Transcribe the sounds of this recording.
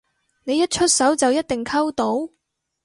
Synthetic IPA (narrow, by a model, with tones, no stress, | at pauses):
ne˨˧jɐ˥t̚t͡ʃʰɵ˥t̚sɐ˨˥wt͡sɐ˨wjɐ˥t̚t̪ɪ˨ŋkʰɐ˥wt̪o˨˥w